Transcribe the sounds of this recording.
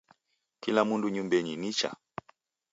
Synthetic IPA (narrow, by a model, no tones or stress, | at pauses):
kilamunduɲumbɛɲinit͡ʃa̰